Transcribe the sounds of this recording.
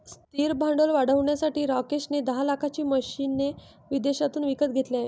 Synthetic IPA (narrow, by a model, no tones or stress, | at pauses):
st̪iːɾbʱaɳɖolʋaɽ̤əʋɳjasaʈiːɾakeɕned̪əɦalakʰat͡ɕiːməɕiːnːe | ʋid̪eɕat̪uːnʋikət̪̚ɡʱet̪ljae